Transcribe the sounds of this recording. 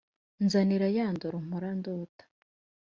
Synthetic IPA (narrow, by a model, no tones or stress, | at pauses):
nzaniɾajaːndoɾom̥uɾandoːtḁ